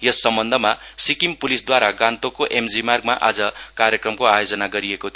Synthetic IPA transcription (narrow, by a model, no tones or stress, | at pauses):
jʌsːʌmbʌnd̪ʱʌmasikimpulisd̪waɾaɡãnt̪okoʔemd͡zimarɡmaʔad͡zʌkaɾjekrʌmkoajod͡zʌnaɡʌɾiekot̪ʰ